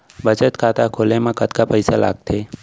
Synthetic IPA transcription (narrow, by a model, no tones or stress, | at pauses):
bət͡ʃət̪kʰaːt̪akʰoːlemãkət̪kapəɪsala̰ːɡ̚t̪ʰeː